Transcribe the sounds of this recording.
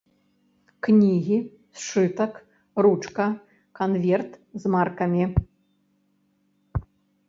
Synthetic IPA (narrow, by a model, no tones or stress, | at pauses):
knʲiɣʲi | sʂɨt̪ɐk | rut͡ʂkɐ | kanvʲɛrt̪zmarkɐmʲi